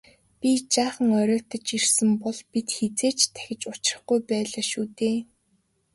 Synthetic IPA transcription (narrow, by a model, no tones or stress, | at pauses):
pʲit͡ɕaːχə̆ŋɔɾʲɔːt̪ə̆t͡ɕirsɘ̆mpɔɮpit̪xet͡seːt͡ɕt̪ʰæ̥xʲɪ̆t͡ɕʊt͡ɕrə̆χɡujpæːɮaːʃuːt̪eː